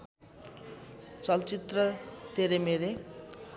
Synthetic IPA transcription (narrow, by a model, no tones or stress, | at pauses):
t͡sʌlt͡sit̪rʌt̪eɾemeɾe